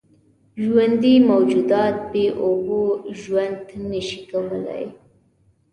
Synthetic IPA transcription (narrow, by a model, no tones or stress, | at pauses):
ʒwand̪imawd͡ʒud̪ɑt̪̚beʔoboʒwand̪nəʃi̥kawəla̰j